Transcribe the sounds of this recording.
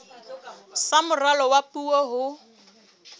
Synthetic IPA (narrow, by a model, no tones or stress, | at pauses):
samʊralɔwapʼuwɔɦʊ